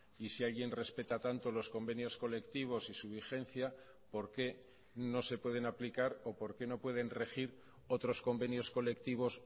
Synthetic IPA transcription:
isialɣje̞nre̞spe̞t̪at̪ant̪o̞lo̞sko̞mbe̞njo̞sko̞le̞kt̪iβ̞o̞sisuβ̞ixe̞n̟θja | po̞ɾke̞ | no̞se̞pwe̞ð̞e̞naplikaɾo̞po̞ɾke̞no̞pwe̞ð̞e̞nre̞xiɾ | o̞t̪ɾo̞sko̞mbe̞njo̞sko̞le̞kt̪iβ̞o̞s

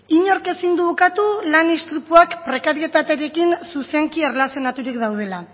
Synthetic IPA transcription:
iɲo̞ɾke̞sind̪uβokat̪ulanist̪ɾipuakpɾe̞kaɾie̞t̪at̪e̞ɾe̞kinsuse̞ŋkie̞relasio̞nat̪uɾikd̪awð̞e̞la

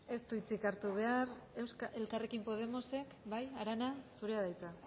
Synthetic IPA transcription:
e̞st̪uit͡sikaɾt̪uβ̞e̞are̞wskae̞lkare̞kimpo̞ð̞e̞mo̞se̞kbajaɾanasuɾeað̞ajt͡sa

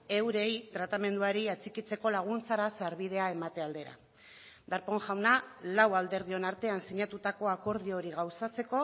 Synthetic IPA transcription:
e̞wɾe̞jt̪ɾat̪ame̞nd̪uaɾiat͡sikit͡se̞ko̞laɣ̞unt͡saɾasaɾβið̞e̞ae̞mat̪e̞ald̪e̞ɾa̰ | d̪aɾpo̞ŋʝawnalawald̪e̞ɾðio̞naɾt̪e̞ansiɲat̪ut̪ako̞ako̞ɾðio̞ɾiɣawsat͡se̞ko̞

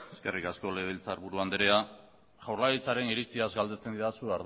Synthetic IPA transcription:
eske̞rikasko̞le̞β̞elt͡saɾβuɾuand̪eɾea | ʝawɾlaɣit͡saɾe̞niɾit͡siazɡald̪e̞st͡se̞nd̪iðasuaɾ

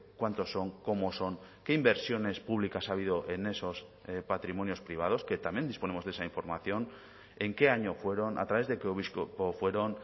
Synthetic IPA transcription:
kwant̪o̞sːo̞ŋko̞mo̞so̞ŋke̞imbe̞ɾsjo̞ne̞spuβ̞likasaβiðo̞ʔe̞ne̞so̞spat̪ɾimonjo̞spɾiβ̞að̞o̞ske̞t̪amjend̪ispo̞ne̞mo̞zðesaiɱfo̞ɾmaθjo̞n | e̞ŋke̞aɲo̞fwe̞ɾo̞na̰t̪ɾaβe̞zðekoβispofwe̞ɾo̞n

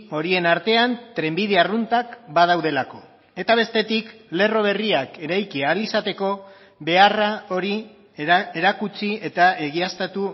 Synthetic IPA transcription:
o̞ɾie̞naɾt̪e̞ant̪ɾe̞mbið̞earunt̪akbað̞awðe̞lako̞ | e̞t̪aβ̞e̞st̪e̞t̪ikle̞ro̞βe̞riake̞ɾajkialisat̪e̞ko̞ | βe̞arao̞ɾi | e̞ɾakut͡sie̞t̪ae̞ɣiast̪at̪u

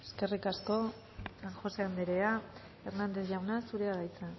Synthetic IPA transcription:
e̞ske̞rikasko̞ | aŋxo̞seand̪eɾea | eɾnand̪e̞θʝawnasuɾe̞aɾajt͡sa

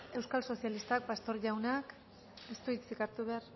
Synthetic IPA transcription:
e̞wskalso̞sjalist̪ak̚past̪o̞ɾʝawnak | est̪uit͡sikaɾt̪uβear

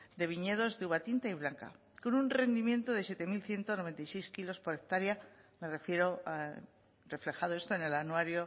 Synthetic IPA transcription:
d̪e̞β̞iɲe̞ð̞o̞zðeuβat̪int̪aiβ̞laŋka̰ | ko̞nunre̞nd̪imjẽ̞nt̪oð̞e̞sje̞t̪e̞milθje̞nt̪ono̞ent̪ajsejskilo̞spo̞ɾek̚t̪aɾjame̞refjeɾo | re̞fle̞xaðoest̪oene̞lanuaɾjo

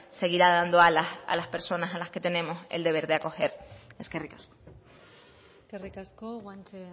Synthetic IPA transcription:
se̞ɣ̞iɾaðand̪oalasa̰laspe̞ɾso̞nasalaske̞t̪e̞nẽ̞mo̞se̞̰ld̪e̞β̞e̞ɾðeako̞xe̞ɾeskerikasko̥ | skerikaskoɣwant͡ʃe

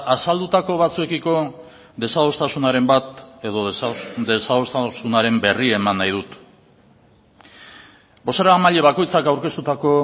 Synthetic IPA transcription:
asald̪ut̪ako̞β̞at͡sue̞kiko̞ | ðe̞saðo̞st̪asunaɾe̞mbat̪e̞ðo̞d̪esao̞st̪sunaɾe̞mbe̞rie̞manːajðut̪ | bo̞seɾamaʎe̞βako̞jt͡sakawɾke̞st̪ut̪ako̞

